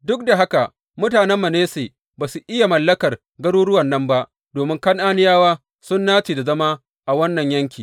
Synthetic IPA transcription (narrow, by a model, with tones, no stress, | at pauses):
dʊ˦k̚da˨ɦa˦ka˨ | mʊ˦taː˨nɛ˦mːɐ˨neː˦seː˨ | baː˨su˨ʔɪ˦ja˨mɐ˨lːɐ˦kɐ˨r | ɡɐ˦ɾuː˦ɽʊ˦wɐ˨nːɐ˦mba˦ʔ | doː˨mɪ˦ŋkɐ˦ŋʔaː˦nɪ˦jaː˦waː˦ | sʊ˦nːaː˦t͡ʃeː˨da˨zɐ˦ma˦ | ʔa˨wɐ˦nːɐ˨ɲjɐ˦ŋkʲiː˨